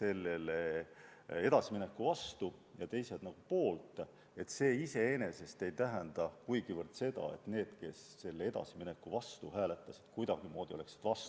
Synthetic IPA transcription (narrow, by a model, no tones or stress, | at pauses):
se̞lːele | e̞d̪̥ɑsimine̞kːˑuvɑst̪ujɑt̪e̞jse̞d̪nɑɡ̥upo̞ːlt̪ːˑ | e̞t̪ːse̞ːise̞ene̞se̞st̪e̞jt̪æɦænd̪̥ɑkujɡ̥ivɯrd̪se̞d̪̥ɑ̰e̞̰t̪ne̞ːd̪̥ke̞sːe̞lːee̞d̪̥ɑ̰simine̞kːuvɑst̪uhæːle̞t̪ːˑɑsi̥d̪̥kujd̪̥ɑɡ̥imo̞ːd̪̥ʲio̞le̞ksi̥d̪̥vɑst̪u̥